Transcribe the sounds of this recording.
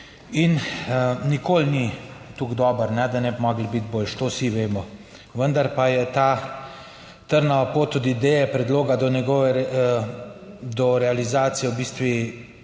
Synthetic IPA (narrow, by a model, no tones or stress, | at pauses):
in | nikoːlnit̪uɡd̪ɔːbəɾnɛd̪anɛbimɔːɡlbit̪̚boːlʃt̪osiʋeːmɔ | ʋənd̪aɾpajɛt̪a | t̪əɾnaapot̪ːud̪id̪ejɛpɾɛd̪loːɡad̪ɔnɛɡɔʋɛ | d̪ɔɾɛalizaːt̪sijɛwbiːst̪ʋi